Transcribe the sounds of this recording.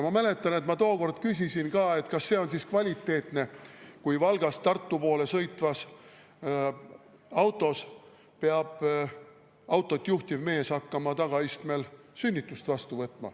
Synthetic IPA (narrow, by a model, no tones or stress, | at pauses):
mɑmæle̞t̪ːˑɑne̞t̪mɑt̪o̞ːko̞rd̪̥kysʲisinkɑːe̞t̪ˑkɑsːe̞o̞nsiskvɑlʲit̪ːe̞ːt̪ne̞kujvɑlɡ̥ɑst̪ɑrt̪ˑːupo̞ːle̞sɤjt̪vɑs | ɑwt̪ːˑo̞s | peɑb̥ | ɑwt̪ːˑo̞t̪ːˑjuht̪ivme̞ːsɑkːɑmɑt̪ɑɡ̥ɑist̪me̞l | synʲːit̪ːˑust̪vɑst̪uvɤt̪ːˑmɑ̰